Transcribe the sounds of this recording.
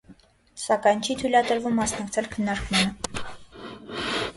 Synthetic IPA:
sɑkɑjnt͡ʃʰit̪ʰujlɑt̪əɾvumːɑsnɑkt͡sʰɛlkʰənːɑɾkmɑnə

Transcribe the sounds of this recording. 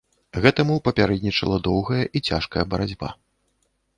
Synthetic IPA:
ɣɛt̪ɐmupɐpʲaɾɛd̪ʲnʲit͡ʂɐlˠɐd̪ɔwɣɐjɐʔit͡sʲa̰ʂkɐjɐbɐɾad͡zʲba̰

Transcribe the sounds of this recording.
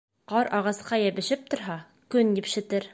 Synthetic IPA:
qɑɾɑʁɑsqɑjæβɘ̆ʃɘp̚t̪ŏɾɦɑ | kɵnjipʃɘ̆t̪ɘɾ

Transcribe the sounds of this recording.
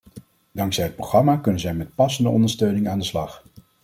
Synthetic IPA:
dɑŋksɛjɦət̚prowχrɑmaːkɵnənzɛjmɛt̚pɑsəndəɔ̰ndəɹstøɥnɪŋaːndəslɑχ

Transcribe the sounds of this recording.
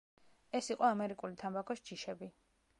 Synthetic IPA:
ɛsiqʼɔamɛɾikʼulit̪ʰambakʰɔsd͡ʒiʃɛbi

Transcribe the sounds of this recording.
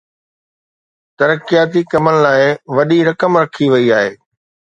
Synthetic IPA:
t̪ɐɾəkijaːt̪̬ikɐmənɪ̆laːɪʋɐɗiɾɐkəmɾɐkʰiʋɐiaːɦeː

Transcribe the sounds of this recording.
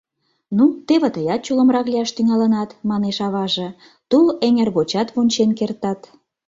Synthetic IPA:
nut̪eβĕt̪əjɑt̪̚t͡ɕulə̆mrɑkliɑʃt̪yŋɑlənɑt̪mɑneʃɑβɑʒĕ | t̪uleŋʲerɣot͡ɕɑt̪βonʲt͡ɕenkert̪ɑt̪

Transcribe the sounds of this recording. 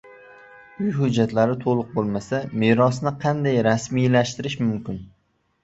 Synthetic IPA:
ʊjɦʊd͡ʒːat̪laɾɪt̪ʰolˠʊq̚bolˠmasamɪɾɒsnɪqʰɑnd̪ajɾasmijlaʃt̪ɪɾɪʃmʊmkʲɪn

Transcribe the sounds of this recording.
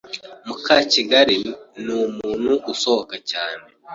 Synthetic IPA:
mukaːciɡaɾinumuːnhuʔːsohokacaːne

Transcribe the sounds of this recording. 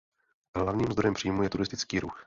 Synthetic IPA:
ɦlavɲiːmzd̪ɾo̞jɛmpr̥iːmujɛt̪uɾɪst̪ɪt͡skiːɾux

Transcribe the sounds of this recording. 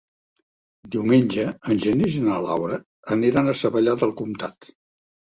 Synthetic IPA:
d̪iwmenʲd͡ʒəːnʲʒənizənəla̰wɾəː | niɾanəsəβəʎaðəlˠkumt̪at̪

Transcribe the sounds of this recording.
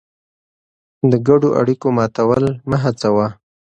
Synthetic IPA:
d̪əɡaɖoʔa̰ɽikomɑt̪awəlməɦat͡sawa

